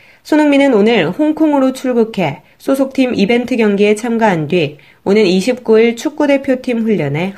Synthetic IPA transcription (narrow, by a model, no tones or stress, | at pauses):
sʰonɯŋminɯnonɯɭhoŋkʰoŋɯɾot͡ɕʰuɭɡukʰe̞ | sʰosʰok̚tʰimibe̞ntʰɯɡjʌŋɡiet͡ɕʰamɡaɦandɥi | onɯniɕʰip̚k͈uiɭt͡ɕʰuk̚k͈ude̞pʰjotʰimɸuʎːʌne̞